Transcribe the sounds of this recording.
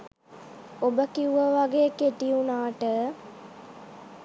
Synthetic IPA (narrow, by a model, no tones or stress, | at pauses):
obəkiuəʋaɡeːkeʈiunaːʈə